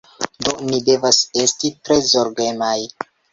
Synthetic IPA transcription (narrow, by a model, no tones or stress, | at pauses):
do̞nide̞vase̞stitɾe̞zo̞ɾɡe̞naj